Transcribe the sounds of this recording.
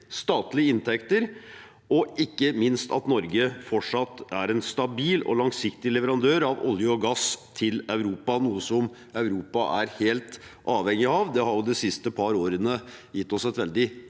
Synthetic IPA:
st̪ɑːt̪lɪəɪnt̪ʰɛkt̪əɾ | ʔɔʔɪkːəmɪnst̪ɑ̰t̪nɔɾɡəfɔʈʂɑt̪ːæɾɛnst̪ɑbiːlɔ̰lɑŋsɪkt̪ɪlɛʋəɾɑnd̪øːɾɑʋɔljəɔɡɑst̪ʰɪlœʉɾuːpɑnuːəsɔm | œʉɾuːpɑʔæɾheːlt̪ | ʔɑːʋhɛŋɪɑʋd̪ɛhɑɾjʊd̪ɛsɪst̪əpʰɑɾoːɾənəjɪt̪ːɔsɛt̪ʋɛld̪ɪ

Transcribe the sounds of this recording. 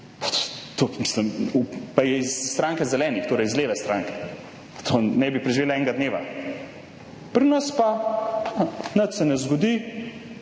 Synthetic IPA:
pḁt̪t̪omisləmupajɛisːt̪ɾaŋkɛzɛlɛːnixt̪oːɾɛjizleːʋɛst̪ɾaŋkɛ̥ | t̪ʰonɛbipɾɛʒiʋeːlaɛːŋɡad̪neːʋa̰ | pɾinəspapʰanət̪sɛnɛzɡɔd̪i

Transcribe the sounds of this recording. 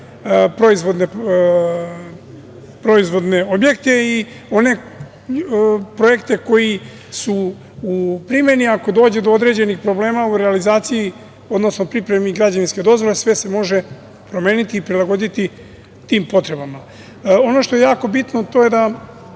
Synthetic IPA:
pɾo̞izʋo̞d̪ne̞ | pɾo̞izʋo̞d̪ne̞obje̞kt̪e̞i | o̞ne | pɾo̞e̞kt̪e̞ko̞ji | su | upɾime̞niako̞d̪o̞ːd͡ʑe̞d̪o̞od̪ɾe̞d͡ʑe̞nixpɾo̞ble̞ːmauɾealizaːt̪siji | o̞d̪no̞sno̞pɾipɾe̞miɡɾad͡ʑaʋinske̞d̪o̞zʋo̞le̞sʋe̞se̞mo̞ʒe̞ | pɾo̞me̞ːnit̪iːpɾilˠaɡo̞d̪it̪i | t̪iːmpo̞t̪ɾe̞bama | o̞no̞ʃt̪o̞jejaːko̞bit̪not̪o̞jed̪a

